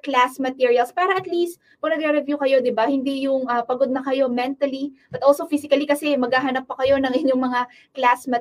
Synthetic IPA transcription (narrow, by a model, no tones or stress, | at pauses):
klasmɐt̪iɹiɐlspaːɾɐʔɐt̪list̪̚ | pɐɡnɐɡɾɛɾɛvjukɐjo̞d̪ɪbahɪnd̪ijʊŋʔɐpɐɡo̞d̪nɐkɐjo̞mɛnt̪ɐlibɐt̪ʔolsofisɪkɐlikɐsɛmɐɡhaːɦɐnɐpːɐkɐjo̞nɐŋʔɪɲːoŋmɐŋa | klasmɐ